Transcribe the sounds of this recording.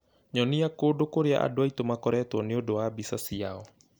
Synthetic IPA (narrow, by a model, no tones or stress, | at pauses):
ɲɔniakodokoɾea̰ʔa̰doait̪omakɔɾɛat̪uɔniodoabisasia̰ɔ